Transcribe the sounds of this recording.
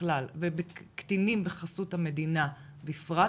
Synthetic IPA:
lalvebekt̪inimbeχasuthame̞d̪ina | bifʁa

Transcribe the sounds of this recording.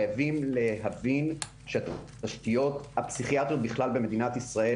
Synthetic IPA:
javimle̞ɦavin | ʃe | aʃtijo̞t̪hapsiχiat̪ʁijot̪̚biχlalbe̞me̞d̪inat̪isʁae

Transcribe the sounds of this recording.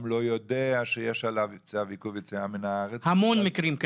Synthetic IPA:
mlojod̪eaʃejeʃalavt͡seavikuvit͡seaminaaʁet͡shamonmikɾimk

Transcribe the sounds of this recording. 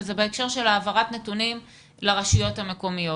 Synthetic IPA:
zebeekʃe̞ʁʃe̞laːvaʁatnetunim | leʁaʃijo̞thame̞ko̞mijo

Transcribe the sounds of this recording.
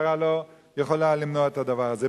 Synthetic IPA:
ʁalo | jeχolalimnoaet̪had̪avaʁaze

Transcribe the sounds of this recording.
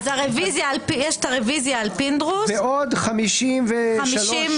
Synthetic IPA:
zaʁevizjaːlpijɛʃtaʁevizjaːlpind̪ʁusveod̪χamiʃimveamʃilʃim

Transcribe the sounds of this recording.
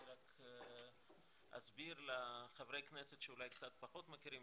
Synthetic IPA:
ɾak | a̰sbiɾleχavɾejkneset̪ʃeulajkt͡sat̪̚paχot̪makiɾim

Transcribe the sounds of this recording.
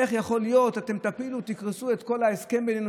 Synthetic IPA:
eχjaχo̞lijo̞t̪at̪e̞mt̪apilut̪ikʁesue̞t̪ko̞laeske̞mbenenu

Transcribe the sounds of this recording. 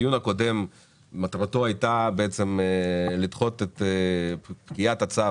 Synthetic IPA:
junako̞de̞m | mat̪ʁat̪o̞ajt̪abeet͡se̞mlit̪χo̞t̪et | pkijat̪at͡sa

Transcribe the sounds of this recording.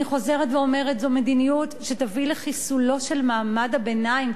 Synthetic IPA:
iχo̞ze̞ʁetveo̞me̞ʁetzome̞d̪inijutʃetavileχisulo̞ʃe̞lmaːmadabe̞naim

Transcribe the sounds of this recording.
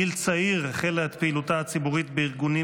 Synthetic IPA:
ilt͡saiʁχeleet̪peilutaat͡sibuʁit̪beiʁɡuni

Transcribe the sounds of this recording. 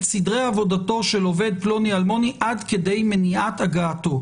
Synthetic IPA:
sidʁeavo̞dato̞ʃelo̞ve̞d̪̚plo̞nialmo̞niʔadkede̞jmeniataɡaːto̞

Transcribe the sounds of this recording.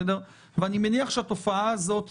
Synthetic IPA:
deʁ | veanimeniaχʃeat̪o̞faaːzo̞t̪

